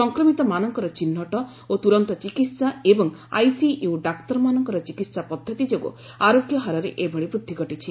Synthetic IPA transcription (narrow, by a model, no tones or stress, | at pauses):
sɔŋkɾɔmit̪ɔmanɔŋkɔɾɔt͡ʃinːɔʈɔ | ot̪uɾɔnt̪ɔt͡ʃikit̪saebɔŋa̰jsijuɖakʈɔɾmanɔŋkɔɾɔt͡ʃikit̪sapɔd̪ʱːɔt̪id͡ʒoɡṵ | aɾoɡjɔɦaɾɔɾḛʔebʱɔɭibɾud̪ʱːiɡɔʈit͡ʃʰi